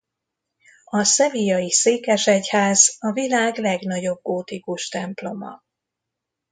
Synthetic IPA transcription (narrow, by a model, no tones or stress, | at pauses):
ɒsɛvijɒjiseːkɛʃɛchaːzɒvilaːɡlɛɡn̪ɒɟo̞b̚ɡoːt̪ikuʃt̪ɛmplo̞mɒ̰